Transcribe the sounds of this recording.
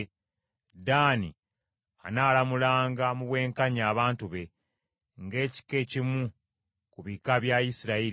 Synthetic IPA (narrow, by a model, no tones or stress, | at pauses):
daːni | a̰naːlamulaːŋɡamuβwe̞ːŋkaɲaːβaːntuβe̞ | ŋɡe̞ːci̥ke̞cimu | kuβikaβjaisiɾaiɾi